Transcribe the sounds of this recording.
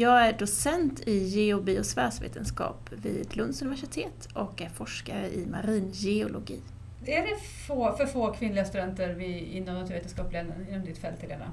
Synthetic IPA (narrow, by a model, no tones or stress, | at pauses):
jɑːɡæɖʊsɛnt̪ʰɪjeʊbiːʊsvæːʂvḛːt̪ʰənskɑ̰ːpvɪ̰ːd̪lɵnd̪sɵnɪvæʂɪt̪ʰeːt̪ɔkæɾfɔʂkaɾəʔɪma̰ɾiːnjɛʊlʔʊɡiː | æɖɛ | foːfœɾfoːkʰvɪnlɪɡast̪ɵd̪ɛnt̪əɾvɪɪnːɔmnat̪ʰʉːɾeːt̪ənskɑːplenə̰nɪnɔmd̪ɪt̪fɛlt̪ʰːɪlɛːvna̰